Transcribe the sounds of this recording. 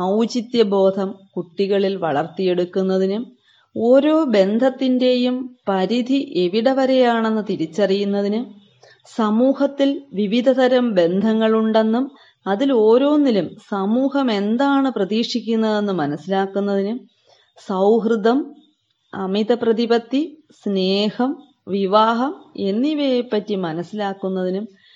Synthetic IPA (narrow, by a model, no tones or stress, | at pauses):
ɐwd͡ʑit̪jɐbo̞ːd̪ʱɐmkuʈːiɣɐɭilʋɐ̰ɭɐrt̪ːije̞ɽukːunːɐðinɨ | o̞ːɾo̞ːbe̞nd̪ʱɐt̪ːinde̞jumpɐɾid̪ʱiʔe̞ʋiɽɐʋɐɾe̞jaːɳe̞nːɨt̪iɾit͡ɕːɐrijunːɐðinɨ | sɐmuːhɐt̪ːilʋiʋid̪ʱɐd̪ɐɾɐmbe̞nd̪ʱɐŋːɐɭuɳɖe̞nːum | ɐðilo̞ːɾo̞ːnːilumsɐmuːhɐme̞nd̪aːɳɨprɐðiːʂikʲːunːɐðe̞nːɨmɐnɐsːilaːkːunːɐðinɨ | sɐwɦrɨd̪ɐm | ɐmid̪ɐprɐðibɐt̪ːi | sne̞ːhɐm | ʋiʋaːɦɐme̞nːiʋejpːɐtːimɐnɐsːilaːkːunːɐðinum